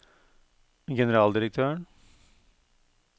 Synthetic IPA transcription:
ɡɛnəɾɑːld̪ɪɾək̚t̪ʰøːɳ

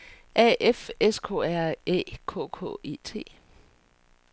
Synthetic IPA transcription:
ʔɛ̰ʔefeskʰo̝̰ːæɐ̰ḛːkʰɔ̰ːkʰɔ̰ːe̝̰ːt͡sʰe̝̰ː

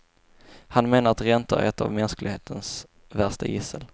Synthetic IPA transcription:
hanmeːnaɾat̪ɾɛnt̪ə̰ɾ̰ɛt̪a̰vmɛnsklɪɡheːt̪ʰəns | væʂtajɪsəl

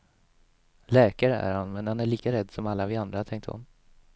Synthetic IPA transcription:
lɛːkaɾəʔæ̰ɾhanmɛnhanæɭiːkaɾɛd̪ːsɔmalːavɪand̪ɾat̪ʰɛŋk̚t̪hʊ̰n

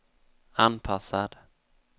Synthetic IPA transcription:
anpʰasad̪

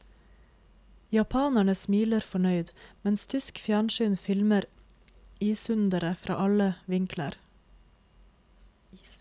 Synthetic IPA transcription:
jɑpʰɑːnæɳəsmiːləɾfɔɳœʏd̪mɛnst̪ʰʏskfjæːɳʃyːnfɪlməɾ | iːsʉnd̪əɾəfɾʔɑ̰ːʔɑləʋɪŋkʰlə̰ɾ

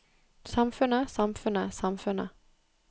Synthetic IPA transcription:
sɑmfʉnəsɑmfʉnəsɑmfʉnə̰

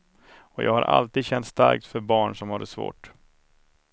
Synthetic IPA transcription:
ɔjɑːɡha̰ɾʔa̰lt̪iːd̪ɕɛnt̪st̪aɾk̚t̪fœɾbɑːɳʂɔmhad̪ːəsvo̰ːʈ

